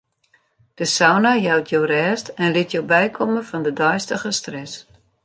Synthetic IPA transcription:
d̥əsawnajawtʰjoːrɛːstɛnlɪtjowbɛjkʰɔməfɔndədɔjstəɣəstrɛs

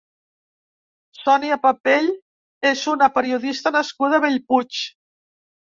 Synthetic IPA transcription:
sɔniapapeʎ | ezunəpəɾiuðist̪ənəskuð̞əβeʎput͡ʃ

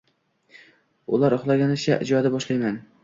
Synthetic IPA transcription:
ʊlˠaɾʊχlˠaɡʲanɪʃʰaʔɪd͡ʒɒd̪abɒʃlˠajman

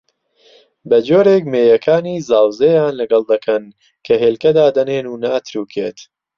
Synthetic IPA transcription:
bɐd͡ʒoːɾeːk̚meːjɐkʰaːniːzaːwzejaːnlɐɡɐlˠd̪ɐkʰɐn | kʰɐɦeːlkɐd̪aːd̪ɐneːnuːnaːt̪ʰɾuːkʰḛːt̪

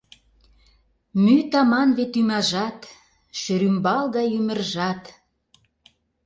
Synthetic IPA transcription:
myt̪ɑmɑnβet̪ymɑʒɑt̪ | ʃøɾymbɑlɣɑjymə̆rʒɑt̪

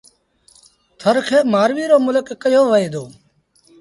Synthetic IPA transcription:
t̪ʰəɾkʰeːmaːɾʋiːɾoːmʊləkːəjoːʋəeːd̪oː

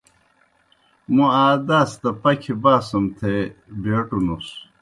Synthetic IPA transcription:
muaːd̪ast̪ɐpɐkʰibaːsɐmt̪ʰebeːʈunus

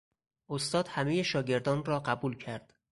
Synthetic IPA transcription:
ʔost̪ɒːd̪̥hæme̞jeʃɒːɟe̞ɾd̪ɒːnrɒːɢæbuːlcʰæɾd̪̥

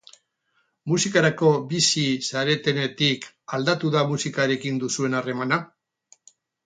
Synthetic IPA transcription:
musikaɾako̞bisisaɾe̞t̪e̞ne̞t̪ik | ald̪at̪uðamusikaɾe̞kind̪usue̞nare̞mana

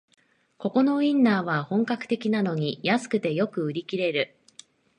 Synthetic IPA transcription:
ko̞ko̞no̞ĩnːaːβahõ̞ŋkakɯ̟̥t̪e̞kʲinano̞ɲ̟ijasɨ̥kɯ̟t̪e̞jo̞kɯ̟ɯ̟ɾʲikʲiɾe̞ɾɯ̟

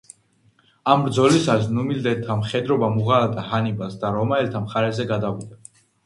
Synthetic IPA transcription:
ambɾd̪zɔlisasnumild̪ɛlt̪ʰamχɛd̪ɾɔbamuʁalad̪ʼahanibasd̪aɾɔmaɛlt̪ʰamχaɾɛzɛɡad̪avid̪a

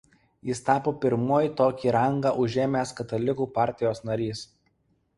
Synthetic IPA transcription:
jɪst̪ɑːpoːpʲɪɾmoːjit̪oːkʲiːɾɐŋɡɑːʔʊʒʲeːmʲeːskɐt̪ɐlʲɪkuːpɑˑɾʲt̪ʲɪjoːsnɐɾʲiːs

